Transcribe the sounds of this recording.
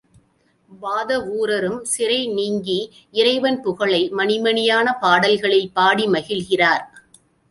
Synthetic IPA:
baːðɐʋuːɾɐɾɯmsɪɾɐɪniːŋɡi | ɪɾɐɪʋɐnpʊɣɐɭɐɪmɐnɪmɐɳɪjaːnɐpaːɽɐlɣɐɭɐɪpːaːɽimɐɣɪlɣɪraːɾ

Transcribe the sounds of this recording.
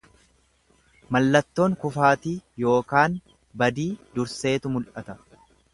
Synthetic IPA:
mɐlːɐt̪ːo̞ːŋkʊfaːt̪iːjo̞ːkaːn | bɐd̪iːd̪ʊɾse̞ːt̪ʊmʊlʔɐt̪ɐ

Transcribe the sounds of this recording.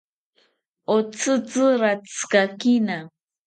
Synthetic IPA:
ot͡sɨt͡sɨɾat͡skakina

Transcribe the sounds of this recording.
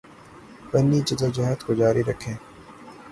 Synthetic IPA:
pɐnːit͡ʃɐt̪əd͡ʒɐɦət̪kod͡ʒaːɾiɾɐkʰːẽː

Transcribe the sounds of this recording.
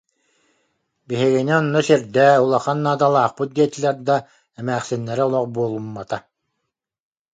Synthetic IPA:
biɦiɡiniɔnːɔsiɾd̪ɛːulˠaχanːaːt̪alˠaːχpɯt̪̚ɡ̪iɛt̪ilɛɾd̪a | ɛmæːχsinːɛɾɛulˠɔqbuɔlˠumːat̪a

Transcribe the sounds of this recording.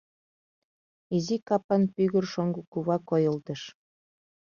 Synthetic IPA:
izikɑpɑnpyɣə̆rʃoŋɡukuβɑkojɤ̆lt̪ɤ̆ʃ

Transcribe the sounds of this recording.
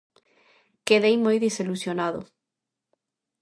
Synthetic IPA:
keðejmojðiselusjonaðʊ̰

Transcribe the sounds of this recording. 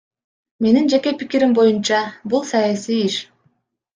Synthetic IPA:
me̞nind͡ʒe̞ke̞pikiɾimbo̞junt͡ʃɑbulˠsɑjasijiʃ

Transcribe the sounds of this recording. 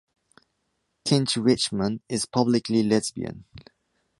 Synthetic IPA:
kʰɪ̃nt͡ʃɹɪt͡ʃmə̃nɪz̥pʰʌblɪkʰlilɛzbḭə̰̃n

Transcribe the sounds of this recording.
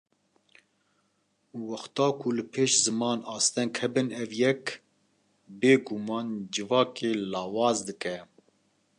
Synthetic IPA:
wɐxt̪ɑːkʰʊlɨpʰeːʃzɨmɑːnɑːst̪ɛŋkhɛbɨnɛvjɛk | beːɡumɑːnd͡ʒɨvɑːkeːlɑːwɑːzd̪ɨkɛ

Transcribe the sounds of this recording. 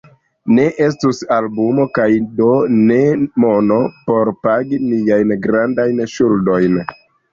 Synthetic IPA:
ne̞ʔe̞s̬tusalbumo̞kajdo̞ne̞mo̞no̞po̞ɾpaɡiniajnɡɾandajnʃuldo̞jn

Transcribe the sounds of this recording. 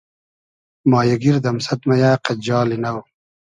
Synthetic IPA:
mɑːjɐɡiɾd̪ɐmsɐt̪mɐjaːqɐd͡ʑɑːlinɐw

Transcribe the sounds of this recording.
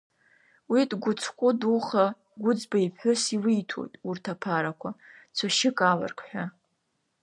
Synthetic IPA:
widɡʷʊt͡sʰqʷʼʊduχa | ɡʷʊd͡zbaipħʷʊsiwiːtʰo̰jtʼurtʰapʰaɾakʷʰat͡sʷʰaʃɪkʼala̰rkʰʼħʷᶣa

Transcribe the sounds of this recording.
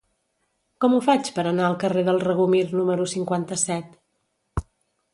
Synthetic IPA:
kɔmufat͡ʃpəɾənaəlˠkəreðəlˠrəɣumirnuməɾusiŋkwant̪əsɛt̪

